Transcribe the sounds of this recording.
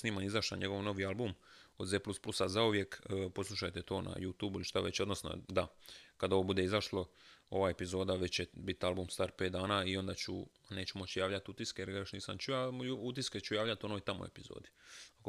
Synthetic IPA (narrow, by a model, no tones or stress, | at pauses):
sniːmanizaʃla̰ɲe̞ɡo̞ʋno̞ʋialˠbumo̞d̪zeːplˠusplˠusazauʋje̞kːpo̞slˠuʃajt̪et̪o̞ːnʔa̰juːt̪uːbuiliʃt̪aʋe̞t͡ɕod̪nosno̰d̪akad̪oʋobud̪e̞izaʃloo̞ʋae̞pizo̞ːd̪aʋe̞t͡ɕt͡ɕebit̪albumst̪aːɾpe̞ːt̪d̪aːnaːio̞nd̪at͡ɕṵ | ne̞ːt͡ʃumo̞t͡ɕjaːʋʎat̪ut̪iskeeɾaɾoʃniːsamt͡ʃujauut̪isket͡ɕujaːʋlʎat̪o̞noit̪amo̰e̞̰pizo̰ːd̪iak